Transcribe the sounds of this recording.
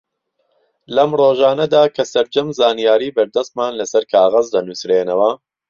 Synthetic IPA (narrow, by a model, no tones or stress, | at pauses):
lɐmroːʒaːnɐd̪aːkʰɐsɐɾd͡ʒɐmzaːnijaːɾiːbɐɾd̪ɐst̪maːnlɐsɐɾkʰaːɣɐzd̪ɐnusɾeːnɐwɐ